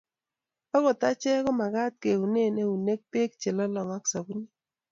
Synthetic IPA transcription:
ɔ˦ɣɔ˨ta˦t͡ʃɛ˦kɔ˦ma˨ɡa˦t̪̚ke˨u˨ne˦˨ne˦u˨ne˦k̚pe˦k̚t͡ʃe˨lɔ˦lɔ˨ŋa˦ksa˨bu˦ni˦

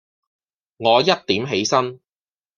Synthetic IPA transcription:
ŋɔː˨˧jɐ˥t̚t̪iː˨˥mɦe˨˥jsɐ˥n

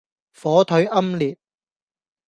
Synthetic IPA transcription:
fɔː˨˥t̪ʰɵ˨˥ɥʔɐ˥mliː˨p̚

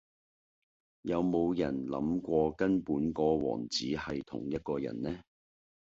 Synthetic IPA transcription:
jɐ˨˧wmo˨˧wjɐ˨˩nlɐ̰˨˥mkʷɔː˧kɐ˥npuː˨˥nkɔː˧wɔ̰ː˨˩ŋt͡siː˨˥hɐ˨jt̪ʰʊ̰˨˩ŋjɐ˥t̚kɔː˧jɐ̰˨˩nlɛː˥

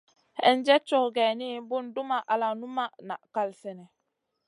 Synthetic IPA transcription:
hɛ˦n˦d͡ʒɛ˦t͡ʃo˦kɡɛ˨ni˦bu˦ndu˦ma˨ʔa˨la˨nu˦ma˦na̰˨ʔka˦lsɛ˨nɛ˨

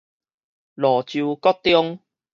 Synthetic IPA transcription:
lɔ˨˩t͡ɕju˧kɔ˦˥t̚t̪ːjɔ˦ŋ

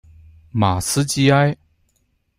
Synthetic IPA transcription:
ma˨˩sɹ̩˥˦t͡ɕi˥˧a˥˦j

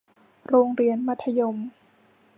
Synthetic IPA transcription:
ɾoː˧ŋɾi˧ənma˧˥t̪ʰːa˧jo˧m

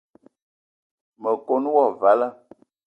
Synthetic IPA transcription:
mə˨ko˦n˦wɔ˦˨va˨˦lə˦

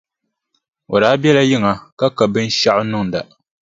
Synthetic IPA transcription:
o˨daː˨˦bjɛ˦la˦jɪ˦ŋa˨ka˦ka˨bɨ˦n˦ʃa˦ʔʊ˦nʊ˦ŋ˨da˨

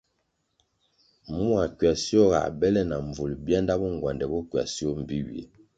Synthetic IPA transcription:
mu˦a˨kɥwa˨si˦o˦ɣa̰˨bɛ˦lɛ˦na˨ɱ˨vu˨lbja˦nda˦bɔ˦ŋ˨ɡwa˨ndɛ˨bɔ˦kɥa̰˨si˦ɔ˦m̩˨bi˦wḭ˨ḛ˨

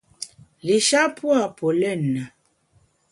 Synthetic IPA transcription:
li˨ʃa˦pʰwa˦˨pʰo˨lɛ˦˨nːa˨

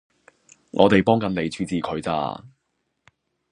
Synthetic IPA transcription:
ŋʔɔ̰ː˨˧t̪e˨jpɔː˥ŋkɐ˨˧nne˨˧jt͡ʃʰyː˨˧t͡siː˨˩kʰɵ˨˧ɥt͡sa̰ː˧

